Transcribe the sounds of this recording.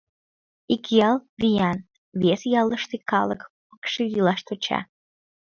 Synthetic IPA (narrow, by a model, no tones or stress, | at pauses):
ikjɑlvijɑn | βesjɑləʃt̪ekɑ̰ləkpə̥kʃejilɑʃt̪ot͡ɕɑ̰